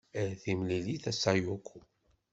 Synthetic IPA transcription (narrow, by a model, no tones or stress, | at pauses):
əɾθimliliθæsajukʷʰːu